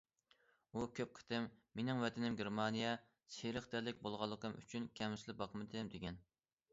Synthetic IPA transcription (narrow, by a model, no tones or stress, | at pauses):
ukʲʰøp̚qʰə̥t̪ɪmːenɪŋvɛt̪ʰɪnɪmɡʲeɾmɑnijɛ | seɾəχt̪æɾlːɪkʲbolˠʁɑlˠːəqʰəmʔy̰t͡ʃʰynkʲʰɛmɪslɪbɑqʰmɨd̪ʰɪmd̪eɡʲɛn